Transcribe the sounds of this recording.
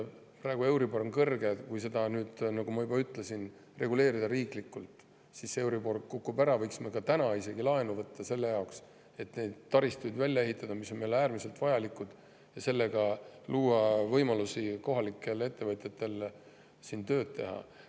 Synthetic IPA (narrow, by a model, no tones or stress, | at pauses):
prɑe̞ɡ̥ue̞wɾiboɾonkɤrɡekujse̞d̪ɑnyːd̪̥nɑɡ̥umɑjubɑyt̪ːˑle̞sin | re̞ɡule̞ːɾid̪ɑɾiːklikːˑult̪ˑ | sise̞wɾibo̞rkːukːubæɾɑvɤjksmekɑt̪ænɑise̞ɡilɑe̞nuvɤt̪ːɑse̞lːe̞jɑoks | e̞t̪ne̞d̪̥t̪ːɑɾist̪ujd̪vælʲːjɑe̞ɦit̪ːˑɑd̪̥ɑmiso̞nmelæːrmise̞lt̪vɑjɑlikːˑud̪̥ | jɑse̞lːe̞ɡ̥ɑluːɑvɤjmɑlusiko̞ɦɑlikːˑe̞le̞t̪ːe̞vɤt̪ʲjet̪ːe̞l | sint̪ø̞ːd̪̥̚t̪ːe̞ɦɑ̰